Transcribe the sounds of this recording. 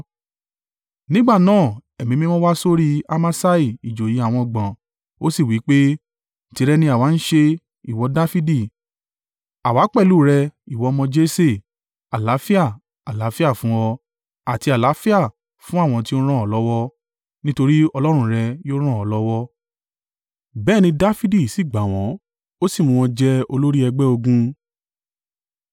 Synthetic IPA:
nĩ˦ɡ͡ba˦˨nãː˦˨ɛ˨mĩ˨˦mĩ˦mɔ̃˦wa˦so˦ɾi˦a˧ma˦sa˦i˨i˨d͡ʒo˨ji˨˦a˦˨w̃ɔ̃˧ɡ͡bã˨ | o˦si˦˨wi˨˦k͡pe˦ | n̩˨ti˨˦ɾɛ˦nĩ˧˦a˨wa˨˦n̩˦ʃe˧ | i˨wɔ˧da˦fi˦di˦˨ | a˨wa˨˦k͡pɛ˦˨luː˦˨ɾɛ˧i˨wɔ˨˧mɔ̃˧d͡ʒe˦se˦˨ | a˨la˨˦fi˦a˦˨ | a˨la˨˦fi˦a˦˨fũ˦wɔ˧ | a˨ti˧a˨la˨˦fi˦a˦˨ | fũ˦a˦˨w̃ɔ̃˧ti˦o˦ɾ̃ã˦˨ɔ˨lɔ˦wɔ˦ | nĩ˦to˧ɾi˦ɔ˧lɔ˦ɾ̃ũ˧ɾɛ˧jo˦ɾ̃ã˦˨ɔ˨˦lɔ˦wɔ˦ | bɛː˦˨nĩ˧da˦fi˦di˦˨si˦˨ɡ͡ba˨w̃ɔ̃˨˦ | o˦si˦˨mũ˧w̃ɔ̃˧d͡ʒɛ˦o˧lo˦ɾi˦ɛ˧ɡ͡bɛ˦o˧ɡũ˧

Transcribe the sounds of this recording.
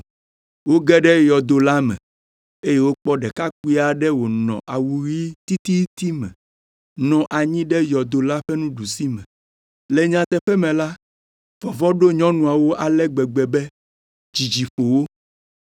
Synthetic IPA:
wo˦ɡɛ˦ɖɛ˦jɔ˨d̪o˨la˦mɛ̰̃˨ | e˦je˦wo˦k͡pɔ˦ɖɛ˨ka˦k̚u˦i˦a˨ɖɛ˦wo˨nɔ̰̃˨ʔa˨wu˨ɾi˦t̪i˦t̪i˦t̪i˦mɛ̰̃˨ | nɔ̃˨ʔa˨ɲĩ˦ɖɛ˦jɔ˨d̪o˨la˦ɸɛ˦nũ˦ɖu˨si˦mɛ̰̃˨ | lɛ˨ɲã˨t̪ɛ˦ɸɛ˦mɛ̃˨la˦ | vɔ˨vɔ˦ɖo˦ɲɔ̃˦nũ˨a˨wo˦ʔa˨lɛ˦ɡ͡bɛ˨ɡ͡bɛ˨bɛ˦ | d͡ʑi˨d͡ʒi˨ɸo˨wo˦

